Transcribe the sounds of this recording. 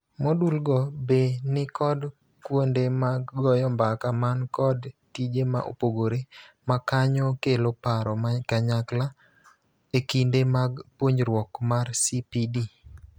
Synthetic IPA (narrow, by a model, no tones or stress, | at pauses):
modulɡɔbenɪkɔd | kwondemaɡɔjɔmbakamankɔdtid͡ʒema̰ʔo̰poɡoɾe | makaɲɔkelopaɾɔmakaɲakla | ekindemaɡpwoɲɾwɔkmarsipidi